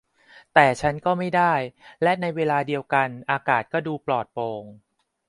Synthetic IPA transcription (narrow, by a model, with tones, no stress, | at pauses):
t̪ɛː˨˩t͡ɕʰa˦˥nkɔː˥˩ma˥˩jdaː˥˩jlɛ˦˥ʔna˧jweː˧laː˧di˧əwka˧nʔaː˧kaː˨˩t̪̚kɔː˥˩duː˧plɔː˨˩t̪̚poː˧ŋ